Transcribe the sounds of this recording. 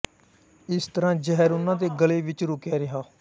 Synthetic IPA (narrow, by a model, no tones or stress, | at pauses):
ɪst̪əɾãːd͡ʒəɦɛːɾʊnãːd̪eːɡəleːʋɪt͡ʃɾʊkjaːɾɪɦaː